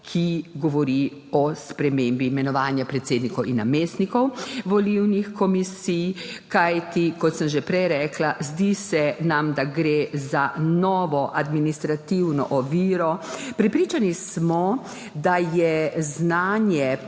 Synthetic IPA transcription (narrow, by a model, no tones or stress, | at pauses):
kʰiɡɔʋɔɾi | ɔspɾɛmeːmbimɛnɔʋaːnjapɾɛt̪seːd̪nikɔwinːameːst̪nikɔwʋɔliwnixkɔmisijkajt̪ikɔt̪səmʒɛpɾɛjɾɛːklazd̪isɛnamd̪aɡɾezanɔʋɔʔad̪minist̪ɾat̪iwnɔ̰ʔɔʋiːɾɔpɾɛpɾiːt͡ʃanismɔ | d̪ajɛznaːnjɛ